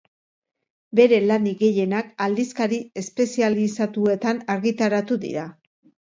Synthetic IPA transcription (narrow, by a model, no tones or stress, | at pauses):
be̞ɾe̞laniɣe̞je̞nakald̪iskaɾie̞spe̞sialisat̪ue̞t̪anaɾɣit̪aɾat̪uðḭɾa